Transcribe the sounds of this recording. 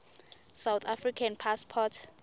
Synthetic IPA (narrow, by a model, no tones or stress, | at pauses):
sawt̪ʰafrikʰanpʰaspʰɔtʰ